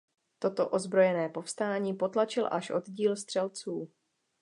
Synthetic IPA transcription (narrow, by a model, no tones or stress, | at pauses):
t̪o̞t̪o̞ʔo̞zbɾo̞jɛnɛːpo̞fst̪aːɲiːpo̞t̪lat͡ʃɪlʔaʃʔo̞d̪ɟiːlst̪r̥ɛlt͡suː